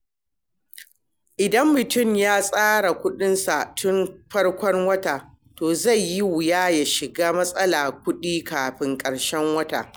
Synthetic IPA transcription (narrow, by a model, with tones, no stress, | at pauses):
ʔɪ˨dɐ˦mːʊ˨tʊ˦˨mjaː˦sʼaː˦ɽa˨kʷʊ˦ɗɪ˦nsa˨ʔtʰʊ˦nɸɐ˦ɽkʷɔ˦ŋwɐ˦taː˨ | toː˨za˦˨jji˦wʊ˨jaː˦ja˨ʃɪ˨ɡaː˦mɐ˦sʼɐ˦laː˨k̚ʷʊ˦ɗiː˦kaː˨ɸɪ˦ŋkʼɐ˨ɽʃɛ˦ŋwɐ˦ta̰ː˨